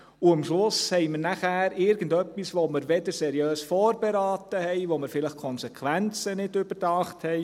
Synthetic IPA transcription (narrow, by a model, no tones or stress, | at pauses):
uəmʃlʊshɛɪməɾnæχæːɾɪɾɡ̥ən̩dœpːisʋoməɾʋɛdəɾsɛɾijøːsfɔːɾbɛɾɑːtəhɛɪʋoməɾfɪlɪχkʰɔnsɛkʰʋænt͡sənɪdʏb̥əɾdɑːχthɛɪ